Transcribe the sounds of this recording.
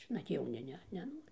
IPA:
nɐt jɛʊˈnʲɪ ˈnʲɛ nʲɛˈnoːrʲɪ

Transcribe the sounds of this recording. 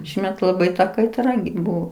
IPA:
ˈʃʲiːmʲɛt lˠɐˈbɐɪ tɐ kɐɪˈtrɐ ɡʲɪ ˈbuɔ

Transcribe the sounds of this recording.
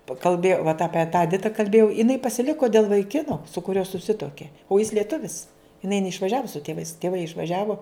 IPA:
pɐ kɐlʲˈbʲeːjɛʊ ʋɐt ˈɑːpʲiɛ tɑː ɛˈdʲɪtɐ kɐlʲˈbʲeːjɛʊ ɪˈnɐɪ pɐsʲɪˈlʲɪkoː dʲeːlˠ ʋɐɪˈkʲɪnoː sʊ kʊˈrʲuɔ sʊˈsʲɪtuɔkʲeː oː jɪs lʲiɛˈtʊʋʲɪs ɪˈnɐɪ nʲɛɪʃʋɐˈʒʲæːʋoː sʊ tʲeːˈʋɐɪs tʲeːˈʋɐɪ ɪʃʋɐˈʒʲæːʋoː

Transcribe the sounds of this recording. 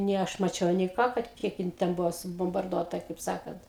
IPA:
nʲeː ˈɐʃ mɐˈt͡ʃʲɛʊ nʲeː ˈkɑː kɐt ˈkʲiɛk jɪn ˈtʲɛn ˈbʊʋoː sʊboːmbɐrˈduɔtɐ kɐɪp ˈsɑːkɐnt

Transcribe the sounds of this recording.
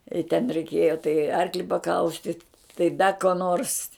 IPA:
ɪ tʲɛn rʲɛɪˈkʲeːjoː tɐɪ ˈɐrklʲɪ pɐˈkɐʊsʲtʲɪt tɐɪ ˈdɐ koː ˈnoːrs

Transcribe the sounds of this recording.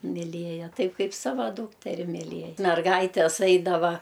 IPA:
mʲɪˈlʲeːjɛ ˈtɐɪp ˈkɐɪp ˈsɑːʋɐ ˈduːktʲɛrʲɪ mʲiːˈlʲeːj mʲɛrˈɡɐɪtʲɛs ˈɐɪdɐʋɐ

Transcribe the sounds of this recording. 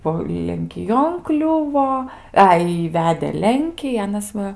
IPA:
ˈbuɔ lʲɛŋʲkʲɪˈjoːn ˈklʲʊʋoː ˈɐɪ ɪ ˈʋʲæːdʲeː ˈlʲɛŋʲkʲiː ˈɑːnɐs ˈʋɐ

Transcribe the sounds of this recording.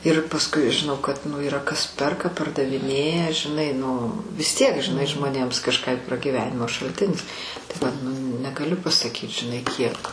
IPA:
ɪr pɐsˈkʊɪ ʒʲɪˈnɐʊ kɐt nʊ iːˈrɐ kɐs ˈpʲɛrkɐ pɐrdɐʋʲɪˈnʲeːjɛ ʒʲɪˈnɐɪ nʊ ʋʲɪs tʲiɛk ʒʲɪˈnɐɪ ʒmoːˈnʲeːms kɐʃˈkɑː jʊk prɐɡʲiːˈʋʲæːnʲɪmoː ʃɐlʲˈtʲɪnʲɪs tɐɪ ʋɐt nʊ nʲɛɡɐˈlʲʊ pɐsɐˈkʲiːt ʒʲɪˈnɐɪ ˈkʲiɛk

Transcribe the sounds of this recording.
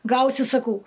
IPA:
ˈɡɐʊsʲɪ sɐˈkɐʊ

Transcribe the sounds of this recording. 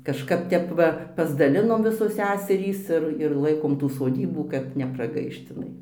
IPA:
kɐʃˈkɐp ˈtʲɛp ʋɐ pɐzdɐˈlʲɪnoːm ˈʋʲɪsoːs ˈsʲæːsʲɛrʲiːs ˈɪr ɪr ˈlˠɐɪkoːm ˈtuː soːˈdʲiːbuː kɐt nʲɛprɐˈɡɐɪʃt ɪˈnɐɪ

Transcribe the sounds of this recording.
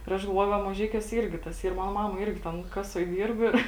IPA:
ɪr ˈɐʃ ɡɐlˠˈʋuɔjʊ ˈʋɐ mɐˈʒʲɛɪkʲuɔsʲɛ ˈɪrʲɡʲɪ tɐs ˈiːr ˈmɑːnoː ˈmɑːmɐ ˈɪrʲɡʲɪ tʲɛn ˈkɑːsuɔj ˈdʲiːrp ɪr

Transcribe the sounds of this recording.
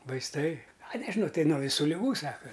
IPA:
ʋɐɪsˈtɐɪ ɐ nʲɛʒʲɪˈnɐʊ ˈtɐɪ nuɔ ʋʲɪˈsuː lʲɪˈɡuː ˈsɑːkɐ

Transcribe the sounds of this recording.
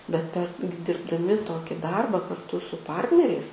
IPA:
bʲɛt ˈpʲɛr ɡʲɪ dʲɪrbdɐˈmʲɪ ˈtoːkʲɪ ˈdɐrbɐ kɐrˈtʊ sʊ ˈpɐrʲtʲnʲɛrʲɛɪs

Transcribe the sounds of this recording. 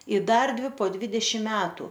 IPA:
ɪ ˈdɐr ˈdʲʋʲɪ poː ˈdʲʋʲɪdʲɛʃʲɪm ˈmʲæːtʊ

